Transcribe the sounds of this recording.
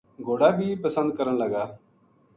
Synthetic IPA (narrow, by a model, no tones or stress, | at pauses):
ɡʱoːɽaːbʱiːpəsə̃nd̪̚kəɾəɳləɡaː